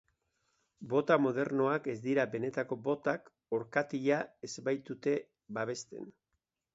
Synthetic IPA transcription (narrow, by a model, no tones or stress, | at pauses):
bo̞t̪amo̞ð̞e̞ɾno̞ake̞zd̪iɾabe̞ne̞t̪ako̞bo̞t̪ak | o̞ɾkat̪iʎae̞zbajt̪ut̪e̞ | baβe̞st̪e̞̰n